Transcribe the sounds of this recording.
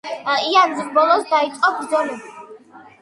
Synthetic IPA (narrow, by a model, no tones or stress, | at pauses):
aianzmbɔlˠɔsd̪ait̪sʼqʼɔbɾzɔnɛ